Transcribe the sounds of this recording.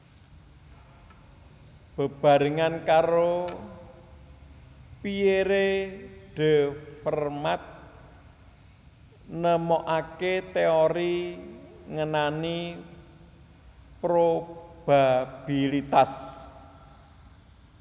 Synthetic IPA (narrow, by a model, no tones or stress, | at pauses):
b̥ə̤b̥a̤ɾəŋankaɾo | pieɾeɖ̥e̤fərmat̪̚ | nəmɔʔaket̪eoɾi | ŋənani | pɾob̥ab̥ilit̪as